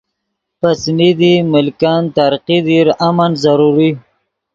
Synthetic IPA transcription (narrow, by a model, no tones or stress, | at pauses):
pasnid̪imɪlkɑnt̪aɾqid̪iɾamanzaɾuɾi